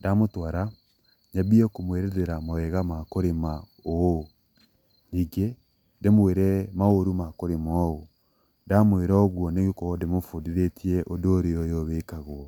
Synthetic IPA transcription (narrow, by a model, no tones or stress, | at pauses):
damotwaɾa | ɲaβiɛkomweɾɛðeɾamɔɛɣamakoɾema | o | niːɡe | demweɾɛmaoɾumakoɾemɔo | ndamweɾɔɔɣwɔneɣekɔdemofodiɾetʰiɛʔodoːɾeɔjɔβeːkaɣwɔ